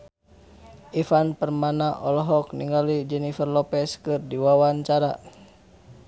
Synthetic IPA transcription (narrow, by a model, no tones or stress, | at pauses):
ʔifanpərmanaʔɔlɔɦɔk̚niŋɡalid͡ʒɛnifərlɔpɛskɨrdiwawaɲt͡ʃaɾa̰